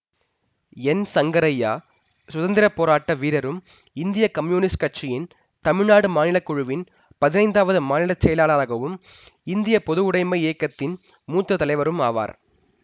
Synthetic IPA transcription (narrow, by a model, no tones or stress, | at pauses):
ɛnsɐŋɡɐɾɐjːa̰ː | sʊðɐnd̪ɪɾɐpːoːɾaːʈːɐʋiːɾɐɾɯm | ɪnd̪ɪjɐkɐmjuːnɪskɐʈt͡ʃɪjɪn | t̪ɐmɪɻnaːɽɯmaːnɪlɐkːʊɻɯʋɪn | pɐðɪnɐɪnd̪aːʋɐðɯmaːnɪlɐt͡ʃːɛjɐlaːɭaːɾɐɣɐʋɯm | ɪnd̪ɪjɐpɔðɯʋʊɽɐɪmɐɪeːkːɐt̪ːɪn | muːt̪ːɾɐt̪ɐlɐɪʋɐɾɯma̰ːʋa̰ːɾ